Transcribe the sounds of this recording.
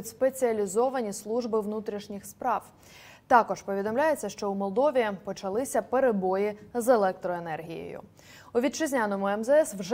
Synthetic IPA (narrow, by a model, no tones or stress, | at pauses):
tʲspe̞t͡sʲiɐlʲizɔʋɐnʲislˠuʒbɪʋnut̪ɾʲiʃnʲixspɾɑw | t̪ɑkɔʒpɔʋʲid̪ɔmlʲaje̞t͡sʲːɐʃt͡ʃɔwmɔlˠd̪ɔʋʲipɔt͡ʃɐlˠɪsʲɐpeɾebɔjizelˠɛk̚t̪ɾɔenɛrɦʲijḛjʊ̰ | ʊʋʲid̪̚t͡ʃɪzʲnʲanɔmʊɛmzɛɛswʒ